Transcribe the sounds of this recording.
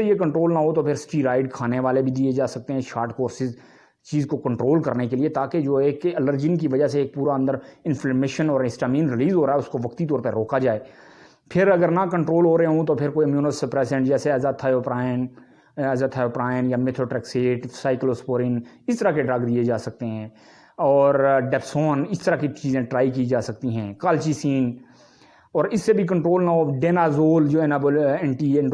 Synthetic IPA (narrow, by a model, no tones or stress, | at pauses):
ejekə̃ɳʈɾoːlnaɦot̪opʰɪɾsʈiːɾaːɪɖkʰaːneʋaːlebʱid̪ied͡ʒaːsɐk̚t̪eɦɛ̃ʃaːɾʈkoːɾsɪz | t͡ʃiːzkokə̃ɳʈɾoːlkə̰ɾnekeliet̪aːked͡ʒoːeːkələɾd͡ʒɪnkiʋɐd͡ʒaseeːk̚puːɾaə̃nd̪əɾɪ̃nfʰləːmeːʃənɔːɾɪsʈaːmĩːnɾɪliːzɦoːɾaːɛʊskoʋɐkt̪it̪̬ɔːɾpəɾoːkad͡ʒaːeː | pʰɪɾɐɡəɾnakə̃ɳʈɾoːlɦoːɾəeɦõt̪opʰɪɾkoːiəmjuːnəspɾɛːsɛ̃ɳʈd͡ʒɛːseɛːzat̪ʰaːjoːpɾaːɪn | ɛzaːt̪ʰːaːjoːpɾaːɪnjaːmet̪ʰɾoːʈɛːkseːʈsaːɪkloːspoːɾɪn | ɪst̪əɾakeɖɾəɡd̪ied͡ʒaːsək̚t̪eɦɛ̃ː | ɔːɾɖɛːpsoːnɪst̪əɾakit͡ʃiːzẽʈɾaːik̬iid͡ʒaːsək̚t̪iɦɛ̃ːkəlt͡ʃiːsiːn | ɔːɾɪsːebʱik̬ə̃ɳʈɾoːlnaɦoːɖeːnaːzoːld͡ʒoːɛːnabəɛɳʈiːɳ